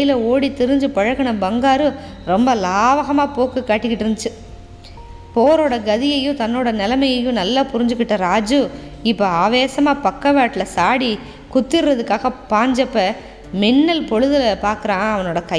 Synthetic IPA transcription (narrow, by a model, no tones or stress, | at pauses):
ɐjɪlɐoːɽit̪ɪɾɯɲd͡ʒɯpɐɻɐɣɐɳɐbɐŋɡaːɾɯ | ɾɔmbɐlaːʋɐɣɐmaːpoːkːɯkːaːʈːɪkːɪʈːɪɾɯnd̪ɯt͡ʃːɯ | poːɾoːɽɐɡɐðɪjɐjʊ̃t̪ɐnːoːɽɐnɛlɐmɐjɐjʊ̃nɐlːaːpʊɾɪɲd͡ʒɯkːɪʈːɐɾaːd͡ʒɯ | ɪpːoaːʋeːsɐmaːpɐkːɐʋaːʈːɪlɐsaːɽi | kʊt̪ːɪɾɾɐðɯkːaːɣɐpaːɲd͡ʒɐpːɐ | mɪnːɐlpɔɻɯðɐlɐpaːɾkɯɾãːɐʋɐnoːɽɐkɐ